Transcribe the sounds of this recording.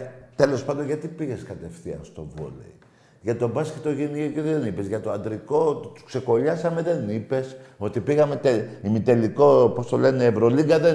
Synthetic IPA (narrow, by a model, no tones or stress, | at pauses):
t̪e̞lo̞spɐnd̪onʝɐt̪ipiʝe̞skɐt̪e̞fθiɐ̰nst̪o̞̰vo̞̰lḛi | ʝɐt̪o̞bɐsket̪o̞ʝiniokeðenipezʝɐt̪oɐnd̪ɾiko̞t̪u̥kse̞ko̞ʎɐsɐme̞ðe̞nipe̞so̞t̪ipiɣɐme̞t̪eimit̪e̞liko̞po̞st̪o̞leneːvɾo̞liŋɡɐðe